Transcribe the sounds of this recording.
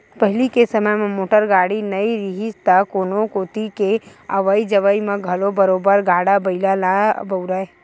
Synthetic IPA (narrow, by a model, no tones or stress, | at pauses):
pəɦlikesəməjmẽmoːʈəɾɡaːɽinəiɾiɦist̪akonokoːt̪ikeə̰ʋəid͡ʒəʋəimãɡʱɐlobəɾoːbəɾɡʱaːɽabɐilalabəʊɾae